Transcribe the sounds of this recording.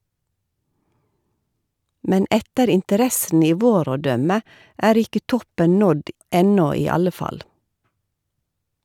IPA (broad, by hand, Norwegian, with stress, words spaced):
ˈmɛn ˈɛtəɾ ɪntəˈɾɛsn̩ ˈiː ˈʋoːɾ ˈoː ˈdœmə ˈæːɾ ˈɪkə ˈtɔpən ˈnɔd ˈɛnɔ ˈiː ˈɑlə ˈfɑl